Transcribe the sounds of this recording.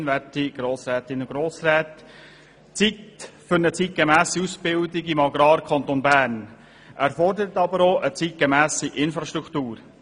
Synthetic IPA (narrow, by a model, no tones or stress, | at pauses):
nvætiɡ̥ɾoːsɾɛːt̪ɪnʊɡ̥ɾoːsrɛːt̪ | t͡sit̪fʏɾnət͡sit̚ɡ̥emæːsiusb̥ɪld̪ɪɡimɑɡɾɑːɾkʰɑnt̪onbæːɾn | ʔæɾfɔrdəɾət̪ɑbəɾoːʔət͡sit̪̚ɡ̥ɛmæːsiʔɪnfɾɑʃt̪ɾukʰt̪uːɾ